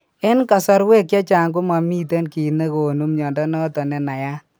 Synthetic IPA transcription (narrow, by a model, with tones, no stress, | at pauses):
ɪ˦nka˨sɔ˦ɾwe˦kja˦t͡ʃa˨ŋɡo˦ma˨miː˦te˦nki˨ne˦ko˨nu˦mɲɔː˨ndɔ˦nɔ˦tɔ˨nɛ˨na˨ja˦